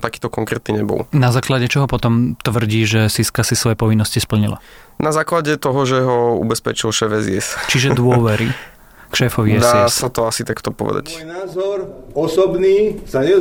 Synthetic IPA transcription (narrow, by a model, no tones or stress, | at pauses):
t̪akiːt̪ɔkɔŋkɾɛːt̪niɲɛbɔ̰lnazaːklaɟɛt͡ʃɔɦɔpɔt̪ɔmt̪ʋr̩ɟiːʒɛsiskasisʋɔjɛpɔʋinːɔscispl̩ɲila̰ | nazaːklaɟɛt̪ɔɦɔʒɛɦɔṵbɛspɛt͡ʃilʃɛːfɛziɛst͡ʃiʒɛd̪ʊɔʋɛɾi | kʃɛːfɔʋiɛd̪asɛsat̪ɔasit̪akt̪ɔpɔʋɛ̰d̪a̰cnaːzɔɾɔsɔbniːsaɲɛ